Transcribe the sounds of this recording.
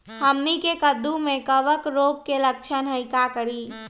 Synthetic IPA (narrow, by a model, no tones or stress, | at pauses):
həmnikekəd̪umẽkəʋəkɾop̚kelək̚t͡ʃʰənɦəjkakəɾi